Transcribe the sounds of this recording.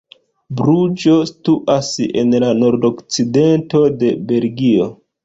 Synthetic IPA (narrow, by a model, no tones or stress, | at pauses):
bɾud͡ʒo̞stuʔasḛnlano̞ɾdo̞kt͡side̞nto̞de̞be̞lɡio̞